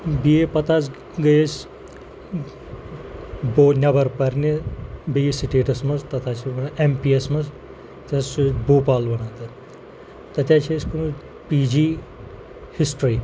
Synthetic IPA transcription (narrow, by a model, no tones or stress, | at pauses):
biepɐt̪ʰaːt͡s | ɡɐjes | boːnʲɐbɐɾpɐɾnibisiʈeːʈɐsmɐzt̪ɐt̪ʰaːt͡ʃʰibɐnempiesmɐz | t̪ɐsuboːpaːlbɐnaːt̪ɐ | t̪ɐt̪ʰʲjat͡ʃʰiskunu | piːd͡ʒiː | hisʈɾiː